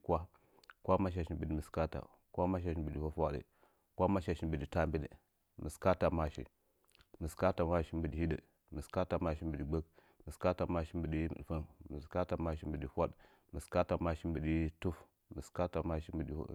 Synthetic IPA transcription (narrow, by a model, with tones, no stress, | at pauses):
kʷa˦ | kʷa˦ma˦ʃ̬a˨ʃi˦m˨bə˨di˨mi˨ska˦ta̰˨ | kʷa˦ma˦ʃ̬a˨ʃi˨bə˨di˨fa˦fwa˨də̰˨ | kʷa˦ma˦ʃa˨ʃi˨mbi˨di˨ta˦m˦bi˦ɗḭ˨ | mə˨ska˦ta˨ma˦ʃḭ˨ | mə˨ska˦ta˨ma˦ʃi˦m˦bə˨di˨hi˦də̰˨ | mə˨ska˦ta˨ma˦ʃi˦m˦bə˨di˨ɡ͡bə˦k̚ | mə˨ska˦ta˨ma˦ʃi˦bə˨ɗi˦m̰˨fə˦nmə˨ska˦ta˨ma˦ʃi˦m˦bə˨di˨hʷa˦ɗ | mə˨ska˦ta˨ma˦ʃi˦m˦bə˨ɗi˦tu˦f | mə˨ska˦ta˨ma˦ʃi˦m˦bə˨dḭ˨˦